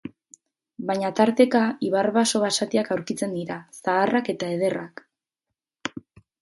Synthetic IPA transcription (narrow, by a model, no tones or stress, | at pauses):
baɲat̪aɾt̪e̞kaiβarβaso̞βasat̪iakawɾkit͡se̞nd̪iɾasaːrake̞t̪ae̞ð̞e̞rak